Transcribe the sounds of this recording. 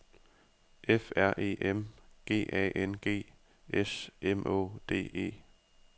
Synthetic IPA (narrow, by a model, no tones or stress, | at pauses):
ʔefæɐ̰ʔe̝̰ːʔemɡ̥e̝̰ːʔɛ̰ːʔenɡ̥e̝̰ː | ʔesemʔo̰ːd̥e̝̰ːe̝̰ː